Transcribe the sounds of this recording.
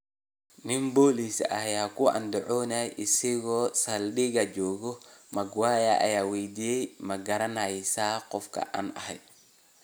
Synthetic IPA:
nɪmbɔːlisɐjaːkʰʊʔɐ̰nd̪ɛʕɔːnɐjʔɪsɪɣɔːsɐlɗɪɣɐd͡ʒɔːɣɔmɐɡwaːjɐʔɐ̰jaːwɛjd̪iːjɛjmɐɡɐɾɐnɐjsaːqɔfkʰɐ̰ʔa̰ːnɐ̰hɛ̰jd̪

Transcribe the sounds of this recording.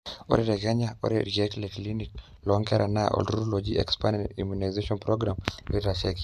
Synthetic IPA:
ɔ̰ɾɛɾɛɣɛɲaɔ̰ɾɛɾiɛtlɛklinit | lɔŋkɛɾʔanaʔɔ̰ldɾuɾɔlɔd͡ʒiɛ̰kspanɛḭmjunajzɛʃɔnpɾɔɡɾamɛtaʃɛki̥

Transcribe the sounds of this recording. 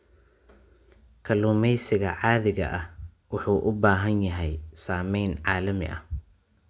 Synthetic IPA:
kʰɐluːmɛjsɪɣɐʕɑːðɪɣɐ̰ʔɐh | wʊħuːʔʊbaːɦɐnjɐɦɛjsaːmɛjnʕɑːlɐmɪ̰ʔɐ̰h

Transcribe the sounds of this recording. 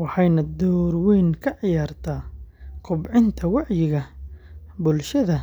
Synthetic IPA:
wɑħɑjnɐd̪ɔːɾwiːŋkʰɐʕɪjaːrt̪ʰaːqʰʊbʕɪnt̪ʰɐwɑʕjɪɣɐ | bʊlʃɐðɐ

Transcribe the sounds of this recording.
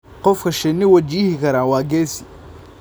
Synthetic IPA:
qɔfkʰɐʃɛnɪwɐt͡ʃiːhɪkʰɐɾaːwɑːɡɛːsɪ

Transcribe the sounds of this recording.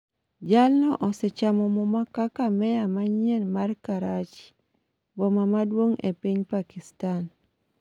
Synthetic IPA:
d͡ʒalnɔʔɔsɛt͡ʃamɔmɔmakakamɛjamaɲenmarkaɾat͡ʃi̥ | bɔmamadwoŋḛpiɲpakistan

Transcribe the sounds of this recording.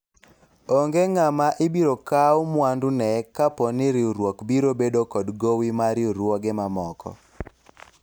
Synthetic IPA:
oŋɡeŋamaʔɪbiɾokawmwandunɛkapɔnɪɾɪuɾwɔkbiɾobedokɔdɡowimaɾɪuɾwɔɡɛmamɔkɔ̰

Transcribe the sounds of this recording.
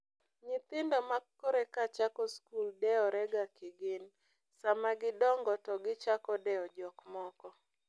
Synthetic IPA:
ɲɪt̪ɪndɔmakːoɾekat͡ʃakɔskuldɛɔɾɛɡakɪɡɪn | samaɡɪdɔŋɡɔtɔɡɪt͡ʃakɔdɛɔd͡ʒɔkmɔkɔ

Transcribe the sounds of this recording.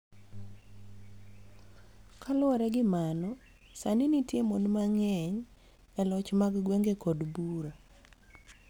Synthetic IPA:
kʰalɔɾɛɡɪmanɔ | sanɪnitjemonmaŋɛɲ | ɛlɔt͡ʃmaɡɡweŋɡekɔdbuɾa

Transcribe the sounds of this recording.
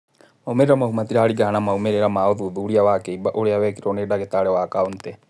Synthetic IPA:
maumeɾeɾamaɦumat̪iɾaːɾiɡaɦanamaumeɾɛɾamaoðuðuɾiawakeibaʔoɾeawɛkiɾɔneɗaɣet̪aɾɛwakaont̪ɛ

